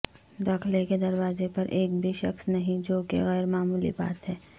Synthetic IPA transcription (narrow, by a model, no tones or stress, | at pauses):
d̪aːkʰleked̪ɐɾwaːzepɐɾʔeːkbʱiʃɐxsnɐɦĩd͡ʒoːkḛɣɛːɾmaːmuːlḭba̰ːt̪ɦɛː